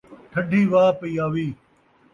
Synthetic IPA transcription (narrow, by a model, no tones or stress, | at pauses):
ʈʰɐɖʱiːʋaːpɐiːaːʋiː